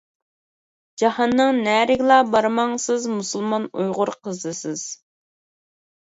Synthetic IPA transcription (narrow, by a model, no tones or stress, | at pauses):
d͡ʒɑhɑnːɨŋnɛːɾɪɡʲlˠɑbɑɾmɑŋsɨzmusulˠmɑnujʁʊɾqʰəzɨsɪz̥